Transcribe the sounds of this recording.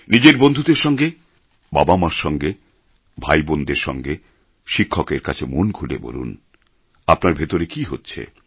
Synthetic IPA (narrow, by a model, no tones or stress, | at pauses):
nid͡ʑeɾbond̪ʱud̪eɾʃɔŋɡe | babamaɾʃɔŋɡe | bʱajbond̪eɾʃɔ̰ŋɡe | ʃikʰːokeɾka̰t͡ɕʰemonkʰulḛbo̰lṵn | apnaɾbʱet̪oɾekiɦotːɕʰḛ